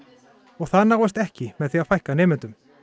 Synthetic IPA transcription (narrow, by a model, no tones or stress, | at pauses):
ɔɣθaðnaɣvɛst̪ɛhcɪmɛðθiafajhkaneːmɪnt̪ʏm